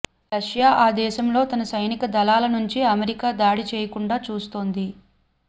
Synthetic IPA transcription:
ɾɐʂjaːʔaːd̪ɛːʃɐmlo̞ːt̪ɐnɐsɐjnikɐd̪ɐlaːlɐnuɲt͡ʃiɐmeɾikaːd̪aːɽit͡ʃɛːjɐkuɳɖaːt͡ʃuːst̪oːnd̪i

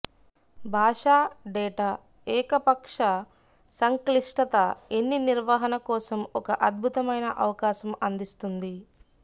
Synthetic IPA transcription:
bʱaːʂaːɖɛːʈaː | ɛːkɐpɐkʂɐ | sɐŋkliʂʈɐt̪ɐenːiniɾʋaːɦɐnɐkɔːsɐmɔkɐʔɐd̪̚bʱut̪ɐmɐjnɐʔɐʋɐkaːʃɐmɐnd̪ist̪und̪i

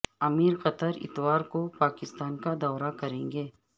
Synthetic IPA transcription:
ɐmiːɾqɐt̪əɾɪ̰t̪waːɾkopaːkɪst̪aːnkad̪ɔːɾakɐɾẽːŋɡeː

